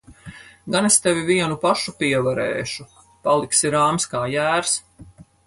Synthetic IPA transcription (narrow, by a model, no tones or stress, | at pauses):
ɡanest̪ɛvʲiviɛnupaʃupiɛvaɾɛ̰ːʃu | palˠiksiɾaːmskaːjæːɾs